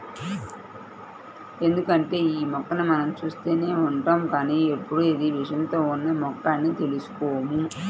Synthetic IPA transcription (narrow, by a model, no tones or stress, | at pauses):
e̞nd̪ukɐɳʈe̞ːiːmɔkːɐnɐmɐnɐmt͡ʃuːst̪e̞ːne̞ːuɳʈaːmkaːniːepːuɽuid̪iʋiʂɐnt̪o̞ːunːɐmɔkːaːnːit̪e̞lusu̥kɔːmu